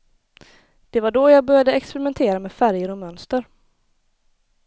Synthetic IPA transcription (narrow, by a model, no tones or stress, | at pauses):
d̪̥ɛvaɖɔjaːɡ̚bœɾjad̪əɛkspɛɾɪmɛnt̪ʰeːɾameːfæɾjəɾɔmœnst̪əɾ